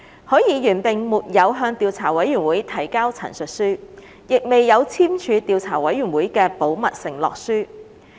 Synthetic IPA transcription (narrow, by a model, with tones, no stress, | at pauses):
hɵː˨˥jiː˨˧jyː˨˩npɪ˨ŋmuː˨t̚jɐ˨˧wɦœː˧ŋt̪iː˧wt͡sʰaː˨˩wɐ˨˥jyː˨˩nwuː˨˥jt̪ʰɐ˨˩jkaː˥wt͡sʰɐ̰˨˩nsɵ˨t̚syː˥ | jɪ˨k̚me˨jːɐ˨˧wt͡sʰiː˥mt͡ʃʰyː˨˧t̪iː˨˧wt͡sʰaː˨˩wɐ˨˥jːyː˨˩nwuː˨˥jkɛː˧po˨˥wmɐ˨t̚sɪ˨˩ŋlɔ̰ː˨k̚syː˥